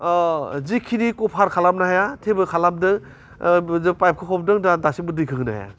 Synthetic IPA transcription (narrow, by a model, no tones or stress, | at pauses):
zikʰinikɔpʰaɾkʰalam̚naɦajatʰebɯkʰalam̚dɯŋ | zɯpajp̚kʰɯkʰɔp̚dɯŋdadasibɯdɯkʰɯɡnaɦa̰ja̰